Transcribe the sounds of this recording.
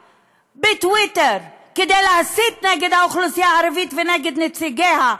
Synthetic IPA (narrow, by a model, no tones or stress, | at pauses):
bɪtwɪtəɾkɪdɛlˠasitnɛɡədaʊχlˠʊsjaaɾəvitvɪnɛɡɪtnɪtt͡sɪɡɛha